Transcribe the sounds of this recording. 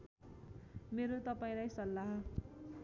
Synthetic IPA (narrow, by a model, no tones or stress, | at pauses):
meɾot̪ʌpaĩlajsʌlːaɦ